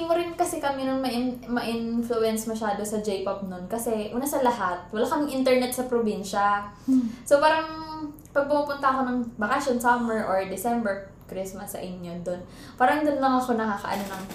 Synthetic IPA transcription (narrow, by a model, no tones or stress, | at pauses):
ɪmoɾɪnkɐsɛkɐmɛnɐŋmɐʔɪnmɐʔɪnflʊʔɛnsmɐʃaːd̪osɐd͡ʒɛjʔop̚nonkɐsɛʔuːnɐsɐlɐhat̪̚wɐlaːkɐmɪŋʔɪnt̪ɛɹnɛt̪̚sɐpɾobinʃɐ | sopaːɾɐŋ | pɐɡ̚pʊmupʊnt̪ɐɐko̞nɐŋbɐkasonsamɛɹʔoɹd̪ɪsɛmbɛɹ | kɾɪsmɐsːɐ̰ʔɪɲːo̞d̪o̞n | paːɾɐŋd̪onlɐŋɐko̞nɐkakɐ̰ʔɐ̰nonɐŋ